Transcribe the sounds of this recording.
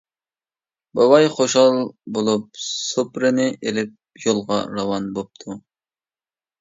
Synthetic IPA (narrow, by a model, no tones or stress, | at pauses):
bɑwɑjχoʃɑlˠbolˠup̚supɾɪnɪʔelɪp̚ | jolˠʁɑɾɑwɑnbop̚t̪ʰu